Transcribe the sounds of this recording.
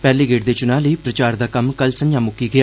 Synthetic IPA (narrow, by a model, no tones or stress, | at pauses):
pɛːliːɡeːʈd̪eːt͡ʃʊnãːləiːpɾət͡ʃaːɾd̪aːkəmkəlsə̃ɲd͡ʒjãːmʊkːiːɡɪjaː